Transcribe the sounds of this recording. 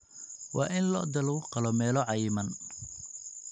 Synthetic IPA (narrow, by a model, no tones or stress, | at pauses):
wɑ̰ːʔɪnlɔ̰ːd̪ɐluwqɑlɔmɛːlɔʕɑjɪmɐn